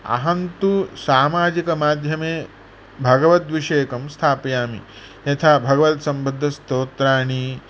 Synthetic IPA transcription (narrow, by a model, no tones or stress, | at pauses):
ɐ̰ɦɐnt̪usaːmaːd͡ʒikɐmaːd̪ʱjɐmeː | bʱɐɡɐʋɐt̪ʋiʂeːkɐmst̪ʰaːpjaːmḭ | jɐt̪ʰaːbʱɐɡɐʋɐt̪sɐmbɐd̪ʱːɐst̪oːt̪ɾaːɳi